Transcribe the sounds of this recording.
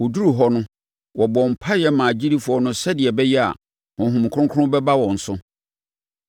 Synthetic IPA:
wu˨du˦ɾu˨ɦɔ˦nʊ̃˦ | wʔɔ˨bɔ̃˨m̩˨pʰa˦jɛ˦mã˨d͡ʑi˦ɾi˦fʊ˨ɔ˨nʊ̃˦sɛ˦dɪ˨ɛ˨bɛ˦jɛ˦a̰˨ | hɔ̃˨ɦũ˨m˨kʰʊ˦ʊ̃˦kʰʊ˦ʊ̃˦bɛ˦ba˦wɔ̃˨n̩˨sʊ̃˦

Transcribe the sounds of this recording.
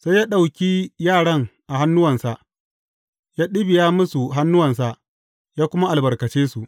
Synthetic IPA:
sa˦jaː˦ɗa˨wkʲiː˦jaː˦˨ɽɐ˦ŋʔa˨ɦa˦nːʊ˦wɐ˨nsa˨ʔ | jaː˦ɗɪ˦bɪ˨jaː˦mʊ˦su˨ɦa˦nːʊ˦wɐ˨ns̬a˨ʔ | jaː˦kʷʊ˦ma˦ʔa˨lbɐ˨rkɐ˨t͡ʃeː˦su˨ʔ

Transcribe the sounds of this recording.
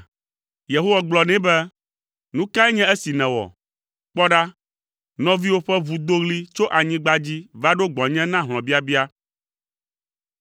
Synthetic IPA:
je˨ɦo˦wa˨ɡ͡blɔ˨nɛ̃˦bɛ˦ | nũ˦ka˦ɛ˦ɲɛ̃˦ɛ˦si˨nɛ̃˨wɔ̰˨ | k͡pɔ˦ɖa˦ | nɔ̃˦vi˦wo˦ɸɛ˦βu˨d̪o˦ɣli˦t͡ʃo˦ʔa˨ɲĩ˦ɡ͡ba˦d͡ʑi˦va˦ɖo˦ɡ͡bɔ̃˨ɲɛ̃˦nã˦ɦl̃ɔ̃˨bi˦a˦bi˦a˦

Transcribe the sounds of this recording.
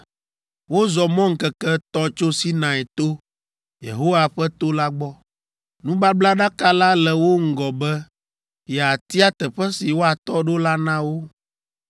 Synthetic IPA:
wo˦zɔ˨mɔ̃˦ŋ̩˦kɛ˨kɛ˦t̪ɔ̃˦t͡ʃo˦si˦nã˨ɛ˨t̪o˦ | jḛ˨ɦo˦wa˨ɸɛ˦t̪o˦la˦ɡ͡bɔ˦ | nũ˦ba˦bla˦ɖa˦ka˦la˦lɛ˨wo˦ŋ̩˦ɡɔ˨bɛ˦ | jɛ˨a˨t̪i˦a˦t̪ɛ˨ɸɛ˦si˨wo˦a˨t̪ɔ˦ɖo˦la˦nã˦wo˦

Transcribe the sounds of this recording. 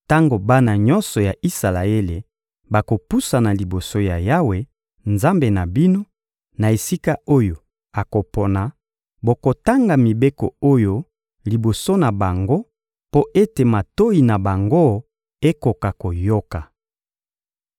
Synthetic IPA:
ta˦ŋɡo˨ba˦na˨ɲɔ˦nsɔ˨ja˨ʔi˦sa˨la˨e˦le˨ | ba˨ko˨pu˦sa˨na˨li˨bo˨so˦ja˨ja˦we˨ | nza˦mbe˨na˨bi˦no˦ | na˨e˨si˦ka˦o˦jo˨ | a˨ko˨pɔ˨na˨ | bo˨ko˨ta˦ŋɡa˨mi˨be˦kɔ̰˨o˦jo˦ | li˨bo˨so˦na˨ba˨ŋɡo˦ | po˦ʔe˦te˨ma˨to˦i˨na˨ba˨ŋɡo˦ | e˦ko˨ka˨ko˨jo˦ka˨

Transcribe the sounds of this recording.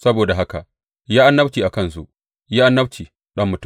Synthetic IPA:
sɐ˦boː˨da˨ɦa˦ka̰˨ʔ | jaː˦ʔa˦nːɐ˦bt͡ʃiː˨ʔa˨kɐ˦ns̬ṵ˦ʔ | jaː˦ʔa˦nːɐ˦bt͡ʃiː˨ | ɗɐ˦mːʊ˨t

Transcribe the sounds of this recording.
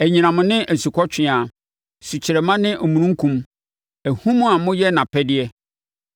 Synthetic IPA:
æ˨ɲĩ˨nã˨mʊ̃˨nɪ̃˦ʔɛ˨si˨kʰɔ˦t͡ɕʰᶣɪ̃˦˨a˨ | si˨t͡ɕʰɪ˨ɾɛ˨mã˦nɪ̃˦ʔɔ˨mũ˨nũ˦ŋ˦kʰũ˦m | æ˨hũ˦mʊ̃˦a˨mʊ̃˦jɛ˦nã˨pʰɛ˦dɪ˦ɛ˦

